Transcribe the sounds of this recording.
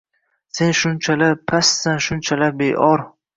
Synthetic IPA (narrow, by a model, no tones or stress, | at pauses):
se̞nʃʊnt͡ʃʰalapʰasːanʃʊnt͡ʃʰalabejʔɒɾ